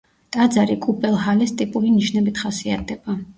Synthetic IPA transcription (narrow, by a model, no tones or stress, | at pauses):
t̪ʼad̪zaɾikʼupʼɛlˠɦalɛst̪ʼipʼuliniʃnɛbit̪ʰχasiat̪ʰɛb̥a